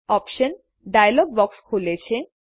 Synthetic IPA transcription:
ɔpʃən | ɖajlɔɡ̚bɔkskʰulet͡ɕʰe

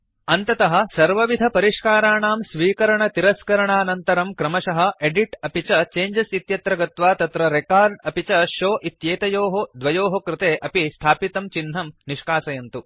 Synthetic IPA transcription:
ɐnt̪ɐt̪ɐɦɐ̆sɐɾʋɐʋid̪ʱɐpɐɾiʂkaːɾaːɳaːmsʋiːkɐɾɐɳɐt̪iɾɐskɐɾɐɳaːnɐnt̪ɐɾɐmkɾɐmɐʃɐɦɐeɖiʈɐpit͡ʃɐt͡ʃeːɲd͡ʒɐsit̪jɐt̪ɾɐɡɐt̪ʋaːt̪ɐt̪ɾɐɾekaːɾɖɐpit͡ʃɐʃoːʔit̪jeːt̪ɐjoːɦod̪ʋɐjoːɦokɾɪt̪eːʔɐpist̪ʰaːpit̪ɐmt͡ʃinɦɐmniʂkaːsɐjɐnt̪u

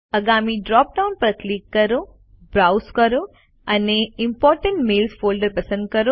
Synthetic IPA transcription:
ɐɡaːmiːɖɾaːp̚ɖɐwnpɾɐkliːkːɐɾoː | bɾawskɐɾoː | ɐneimpɔːɾʈeɳʈmeːlspʰoːlɖɐɾpɐsɐ̃nd̪̚kɐɾo

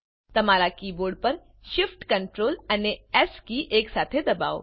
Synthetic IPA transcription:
t̪ɐmaːɾakiːboːɾɖ̚pəɾ | ʃɪfʈkɐɳʈɾoːlɐneɛskiʔeːksaːt̪ʰed̪ɐba̰ːo̰

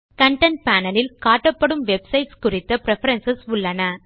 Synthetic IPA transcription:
kɐɳʈɐɳʈ̚paːnɐlɪlkaːʈːɐpːɐɽɯmʋɛbsɐɪʈskʊrɪt̪ːɐpɪɾɛfɐɾɐnsɐsʊɭːɐnɐ

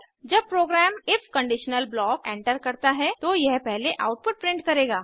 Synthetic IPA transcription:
d͡ʒɐb̚pɾoːɡɾɛːmɪfkɐ̃ɳɖɪʃnəlblɔːkẽːɳʈəɾkɐɾt̪aɦɛt̪ojɛɦpɛɦleʔaʊʈ̚pʊʈ̚pɾɪ̃ɳɖ̚kɐɾeːɡaː

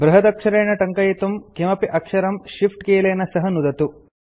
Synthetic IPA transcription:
bɾɐɦɐd̪ɐkʂɐɾeːɳɐʈɐŋkɐjɐt̪umkimɐpiʔɐkʂɐɾɐmʃifʈkeːleːnɐsɐɦɐnud̪ɐt̪u

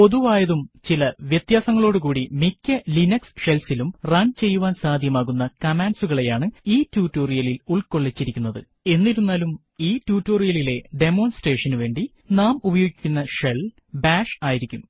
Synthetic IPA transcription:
o̞ðuʋaːjɐðumt͡ɕilɐʋjɐt̪jaːsɐŋːɐɭo̞ːɽukuːɽimikʲːɐlinɐksʂelsilumrɐɳt͡ɕe̞jːuʋaːnsaːd̪ʱjɐmaːɣun̪ːɐkɐmaːnsuɣɐɭe̞jaːɳɨiːtjuːtːo̞ːrijɐliluɭko̞ɭːet͡ɕːiɾikʲːunːɐðɨ̰ | e̞nːiɾunːaːlum | iːtjuːtːo̞ːrijɐlile̞ɖe̞mo̞ːnsʈre̞ːʂɐnuʋe̞ːɳɖi | naːmubɐjoːɡikʲːunːɐʂel | baːʂaːjiɾikʲːum

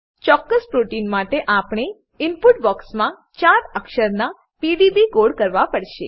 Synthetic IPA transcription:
t͡ʃɔkːəspɾoʈinmaʈeʔapɽ̃e | ɪmpuʈbɔksmã | t͡ʃaɾəkʃəɾna | piɖibiɡoɽkəɾʋapəɽʃe

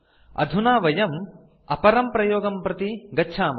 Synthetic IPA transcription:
ɐ̰d̪ʱunaːʋɐjɐm | ɐpɐɾɐmpɾɐjoːɡɐmpɾɐt̪iɡɐːʃʰaːm

